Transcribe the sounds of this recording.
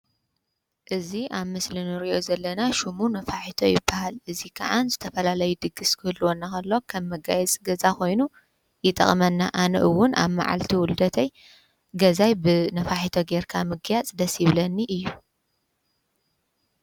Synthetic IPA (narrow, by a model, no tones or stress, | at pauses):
ʔɨziʔaβmɨslinɨɾiʔo̞zɐlːɐnaʃumunɐfaħit̪ʰojɪbːahalʔɨzikʰa̰ʕanzɨt̪ʰɐfɐlalɐjud̪ɨɡɨskʰɨhɨlːuwonːakɐlːo̞kʰɐmːɐɡa̰jɛt͡sʼɡɐzako̞jnu | jɪt̪ʼɐ̰χʼmɐnːa̰ʔanɐ̰ʔɨwʊna̰βma̰ʕa̰lt̪ʰiwʊld̪ɐt̪ʰɐj | ɡɐzajbɨnɐfaħit̪ʰoɡeɾkʰamɨɡjat͡sʼd̪ɐsiβlɐnːiʔɨjːu